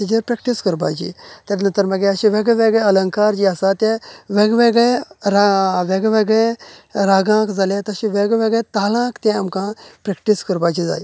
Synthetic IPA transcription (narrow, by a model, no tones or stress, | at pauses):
tid͡ʒɐɾpɾek̚ʈiskəɾbaːd͡ʒḭt̪ɐɾnɐt̪ɐɾmɐɡeɐʃiʋeɡɐʋeɡɐɐlɐŋkaːɾd͡ʒiasaːt̪ẽʋeɡʋeɡɐɾaʋeɡɐʋeɡɐɾaːɡãːkd͡zɐlet̪ɐʃiʋeɡʋeɡet̪aːlãːkt̪ʲẽɐmkãːpɾekʈiskəɾbaːd͡ʒid͡za̰ːj